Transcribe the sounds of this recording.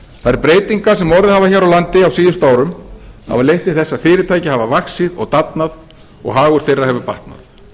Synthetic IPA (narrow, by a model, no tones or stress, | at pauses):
θaðɛɾpɾeːjt̪iŋkḁsɛmɔɾðɪhavaçaːɾawlant̪ɪawsiːðʏst̪aːwɾʏma̰valejht̪ɪ̥θɛsːafɪːɾɪt̪ʰaːjcɪhavavaksɪðɔ̰ɣt̪apnað | ɔ̰ɣɦaːɣʏɾ̥θejrːahɛvʏpaht̪na̰θ